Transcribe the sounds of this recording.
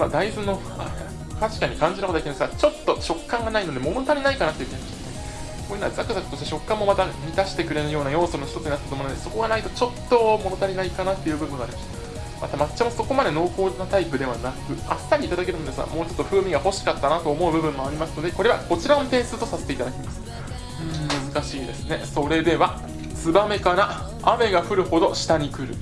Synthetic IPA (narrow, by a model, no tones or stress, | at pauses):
mad̪aizɨnːo̞ | t̪aɕi̥kaɲ̟ikãɲ̟d͡ʑiɾnakot̪ekʲiemesɨɡat͡ɕo̞t̪ːo̞ɕo̞kːãŋɡanaino̞d̪e̞mono̞t̪aɾʲinaikanat̪ːei̟kʲienimaɕt̪ane | koːjinaazakɯ̟zakɯ̟t̪o̞ɕt̪eɕo̞kːãmːo̞mat̪amʲit̪aɕi̥t̪e̞kɯ̟ɾe̞nɯjo̞ːnajo̞ːsoɾɯnç̥it̪o̞t͡sɨɲinat̪ːet̪omñːd̪eso̞ko̞ɡanait̪o̞t͡ɕo̞t̪ːo̞mo̞no̞t̪aɾʲinaikanat̪ːe̞jɯ̟ːbɯ̟bɯ̟̃ŋɡaːɾʲimaɕt̪a | mat̪amat͡ɕt͡ɕːamoso̞ko̞mad̪e̞no̞ːko̞ːnat̪aipɯ̟d̪e̞βanakɯ̟a̰sɨ̥t̪ːaɾʲiːt̪ad̪akeɾɯ̟nod̪esɨɡa̰mo̞ːt͡ɕo̞t̪ːo̞ɸɯ̟ːmʲiɡaho̞ɕi̥kat̪ːanat̪o̞ːmo̞ɯ̟bɯ̟bɯ̟̃mːo̞aɾʲimasɨ̥no̞d̪e̞ko̞ɾe̞βa̰ko̞t͡ɕiɾanot̪ẽ̞ːsɨːt̪o̞saset̪e̞it̪ad̪akʲmasɨ̥ | ɯ̃mɯ̟zɨkaɕiːd̪e̞sɨne̞so̞ɾe̞d̪e̞βa | sɨbame̞kana | ame̞ɡaɸɯ̟ɾɯ̟ho̞d̪o̞ɕi̥t̪aɲ̟ikɯ̟ɾɯ̟̰